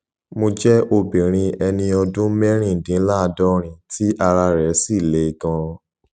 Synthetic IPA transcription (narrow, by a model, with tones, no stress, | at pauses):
mo˧d͡ʒɛ˦ʔo˧bi˨ɾ̃ĩ˧ɛ˧nĩ˧ɔ˧dũ˦mɛ˦ɾ̃ĩ˦˨dĩ˨˦la˦˧dɔ˦ɾ̃ĩ˨tʰi˦ʔa˧ɾa˧ɾɛ˨˦si˦˨le˨˦˨ɡã˧